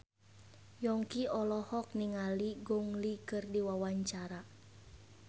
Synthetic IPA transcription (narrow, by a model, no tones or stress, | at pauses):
jɔŋkiɔlɔhɔk̚niŋaliɡɔŋlikɨrdiwawaɲt͡ʃaɾa